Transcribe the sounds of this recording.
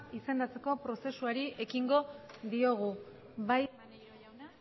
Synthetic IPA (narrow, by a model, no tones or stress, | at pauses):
ise̞nd̪at͡se̞kopɾo̞se̞suaɾiʔe̞kiŋɡo̞ðio̞ɣ̞u | βaj | na